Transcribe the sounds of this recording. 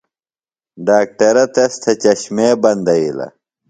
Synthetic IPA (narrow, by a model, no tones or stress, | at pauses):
ɖaːk̚ʈɐɾɐt̪ɐst̪ʰɐt͡ɕɐɕmeːbɐnd̪ɐilɐ̰